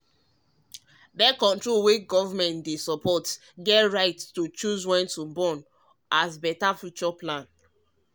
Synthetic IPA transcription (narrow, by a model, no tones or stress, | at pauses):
dɛkɔ̃ntɹolwit͡ʃɡɔvamɛ̃ntdesɔpʰɔt | ɡɛtɹaɪtstut͡ʃuzwɛ̃ntubɔ̃n | ʔasbɛtafjut͡ʃɔplãn